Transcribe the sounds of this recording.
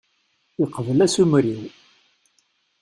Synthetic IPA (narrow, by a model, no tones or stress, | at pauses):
iqəvəlæsumɾiw